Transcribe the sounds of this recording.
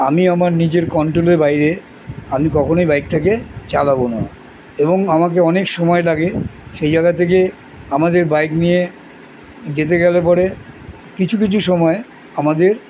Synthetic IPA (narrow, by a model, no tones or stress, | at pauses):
amiamaɾnid͡ʑeɾkɔɳʈɾoleɾbajɾe | amikɔkʰonojbajk̚t̪ʰeket͡ɕalabona | eboŋamakeɔnekʃɔmɔelaɡeʃejd͡ʑajɡat̪ʰek̬e | amad̪eɾbajknie | d͡ʑet̪̬eɡɛlepɔɽe | kit͡ɕʰuk̬it͡ɕʰuʃɔmɔe | amad̪eɾ